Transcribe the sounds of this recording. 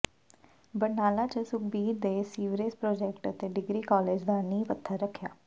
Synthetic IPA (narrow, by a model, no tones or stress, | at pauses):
bənaːlaːt͡ʃəsʊk̚biːɾd̪eːsiːʋɾeːspɾoːd͡ʒɛːk̚ʈət̪eːɖɪɡɾiːkɔːleːd͡ʒd̪aːnĩːpət̪ʰːəɾːəkʰːja̰ː